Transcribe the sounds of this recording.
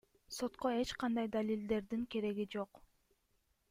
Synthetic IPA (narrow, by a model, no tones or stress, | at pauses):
so̞t̪qoe̞t͡ʃqɑnd̪ɑjd̪alʲild̪e̞ɾd̪iŋke̞ɾe̞ɡid͡ʒo̞q